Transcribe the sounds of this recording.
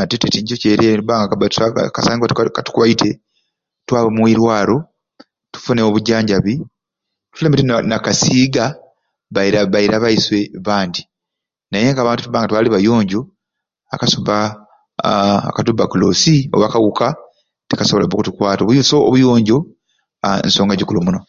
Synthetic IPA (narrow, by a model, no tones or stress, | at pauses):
atetetiɲcoceɾetubaːŋɡakabatkasaːŋɡatkatu̥kuβajitʰe̞ | twaːβemwiɾwaːlo̞ | tu̥funeoβuɟːaːɲɟaβi | tuleːmbitinakasiːɡa | βaiɾaβaiɾaβaiswe̞βaːndi | najeŋɡaːβaːntutuβaːŋɡatwaːliβajo̞ːɲɟo̞ | akasoβa | katubːakulo̰ːsioβakaɣuka | tekasoβolaβokutukwaːtoβujusoːβujo̞ːɲɟo̞ | ḛnso̞ːŋɡaɟukulumuno